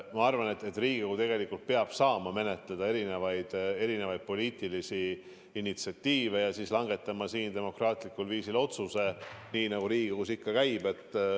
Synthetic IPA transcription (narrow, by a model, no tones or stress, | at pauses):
mɑɑrvɑne̞t̪ːe̞t̪ːˑriːɡ̥ioɡ̥ut̪e̞ɡ̥e̞likːˑult̪̚peɑb̥sɑːmɑme̞ne̞t̪ˑle̞d̪̥ɑe̞ɾine̞vɑjd̪̥e̞ɾine̞vɑjd̪̥̚po̞lʲiːt̪ˑilisi | init̪siɑt̪ʲːiːve̞jɑsislɑŋɡe̞t̪ːˑɑmɑsiːnt̪e̞mo̞krɑːt̪ˑlikːˑulviːsilo̞t̪suse̞niːnɑɡ̥uɾiːɡioɡusikːɑkæjb̥e̞t̪ːˑ